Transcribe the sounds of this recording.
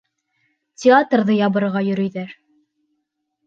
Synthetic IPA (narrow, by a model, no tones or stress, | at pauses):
tʲɪat̪rðɤjɑbɤ̆ɾʁɑjɵ̆ɾɵ̆jðæɾ